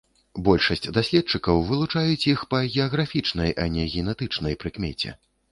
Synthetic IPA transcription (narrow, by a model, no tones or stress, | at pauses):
bɔlʲʂɐsʲt͡sʲd̪asʲlʲɛt̪̚t͡ʂɨkɐwvɨlˠut͡ʂajut͡sʲixpɐɣʲɛɐɣɾafʲit͡ʂnɐjʔɐ̰nʲɛɣʲɛnɛt̪ɨt͡ʂnɐjpɾɨkmʲɛt͡sʲɛ̰